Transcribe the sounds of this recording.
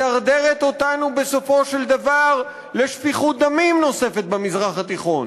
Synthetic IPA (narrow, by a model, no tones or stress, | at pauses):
aʁd̪eʁet̪o̞t̪anube̞so̞fo̞ʃeld̪avaʁ | leʃfiχut̪̚d̪amimno̞se̞fe̞t̪̚bemizʁaχat̪iχo̞n